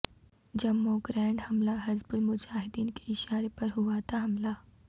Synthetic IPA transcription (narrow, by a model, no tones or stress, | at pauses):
d͡ʒɐmːoɡɾɛ̃ːɳɖhɐmlaɦɐzbʊlmʊd͡ʒaːɦɪd̪iːnke̥ɪʃaːɾepɐɾɦuat̪ʰaɦɐmla